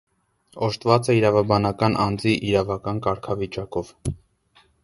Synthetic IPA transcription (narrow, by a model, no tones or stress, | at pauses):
ɔʃt̪vɑt͡səiɾɑvɑbɑnɑkɑnʔɑnd͡ziʔiɾɑvɑkɑnkɑɾkʰɑvit͡ʃɑkɔv